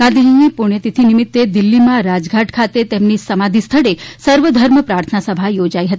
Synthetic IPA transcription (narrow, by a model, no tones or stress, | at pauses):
kãd̪ʱiɦinipuɽ̃et̪it̪ʰinimit̪ːed̪ilːimãɾad͡zɡʱaʈkʰat̪et̪emniːsəmad̪ʱist̪ʰəɽesəɾʋəd̪ʱəɾməpɾaɾt̪ʰənasəbʱajod͡ʑaiɦət̪i